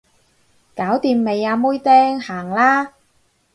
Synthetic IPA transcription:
kaː˨˥wt̪iː˧mːe˨˧jaː˨˧muː˥jt̪ɛː˥ŋhaː˨˩ŋlaː˥

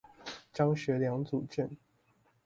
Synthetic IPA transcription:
t͡ɕjɑ˥ŋɕɥɛ˨˥ljɑ˧˥ŋt͡su˨˩t͡ɕɛ˥˨n

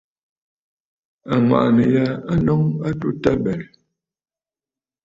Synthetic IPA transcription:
a˨ma̰˨ʔnə˨ja˦a˦nɔ˦ŋa˦tu˦ta˦bɛ˨

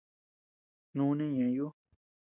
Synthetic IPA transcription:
nũ˦nẽ˦ɲã˨jo˦

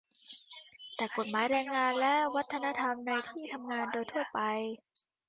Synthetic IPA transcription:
t̪ɛː˨˩ko˨˩t̪̚maː˩˦jɾɛː˧ŋːaː˧nlɛ˦˥wa˦˥t̪ʰːa˧na˦˥t̪ʰa˧mna˧jt̪ʰiː˥˩t̪ʰa˧mŋaː˧ndoː˧jt̪ʰu˥˩ɐpa˧j

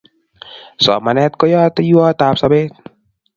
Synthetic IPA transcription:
sɔ̰˨ma˨nɛ˧t̪̚ko˦jɔ˦t̪ajuɔ˦t̪a˧p̚sa˧be˦t̪̚

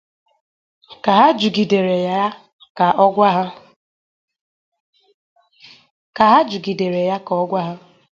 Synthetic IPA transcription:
ka˨ɦa˦d͡ʒu˨ɡi˨de˨ɾe˨ja˦a˦ | ka˨ʔɔ˦ɡʷa˦ɦʊ˦ | ka˨ɦa˦d͡ʒu˨ɡi˨de˨ɾe˨ja˦ka˨ɔ˦ɡʷa˦ɦa˦

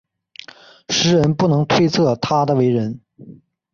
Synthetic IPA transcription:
ʂɻ̩˧˥ɻə˧˥npu˥˩nɤ˧˥ŋt̪ʰwe˥ɪt͡sʰɤ˥˩t̪ʰa˥d̪ə˨we˧˥ɪɻə˧˥n

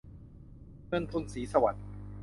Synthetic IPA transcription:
mɯ˧ənt̪ʰo˧nsiː˩˦sa˧wa̰˨˩t̪̚

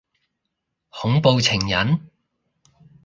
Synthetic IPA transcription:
hʊ˨˥ŋpo˧wt͡sʰɪ˨˩ŋjɐ˨˥n

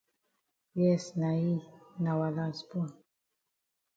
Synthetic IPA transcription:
jɛ˦sna˨i˦na˨wa˨la˦sbu˦˨n

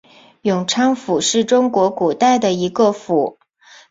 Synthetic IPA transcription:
jʊ˨˩ŋʈ͡ʂʰɑ˥ŋfu˨˩ʂɻ̩˥˩ʈ͡ʂʊ˥ŋkwɔ˧˥ku˨˩t̪a˥˩ɪd̪ə˩i˧˥ɡə˧fu˨˩˦

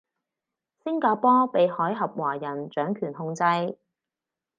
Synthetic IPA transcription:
sɪ˥ŋkaː˧pɔː˥pe˨jhɔː˨˥jɦɐ˨p̚waː˨˩jɐ˨˩nt͡ʃœː˨˥ŋkʰyː˨˩nɦʊ˧ŋt͡sɐ˧j

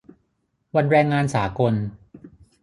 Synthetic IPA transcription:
wa˧nɾɛː˧ŋːaː˧nsaː˩˦ko˧n

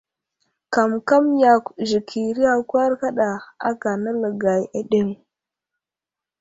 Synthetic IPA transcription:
ka˨mka˦mja˨kʒi˨kʰi˨ɾi˦a˨kʷa˦ɾka˦ɗa˨a̰˦ka˨na˦lə˨ɡa˨ja˨ɗe˦ŋ

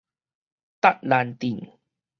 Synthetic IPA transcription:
t̪a˦˥t̚la˧nt̪i˨˩ŋ

